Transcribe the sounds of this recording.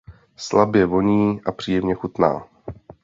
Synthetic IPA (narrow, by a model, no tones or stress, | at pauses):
slabjɛvo̞ɲiːʔapr̥iːjɛmɲɛxut̪na̰ː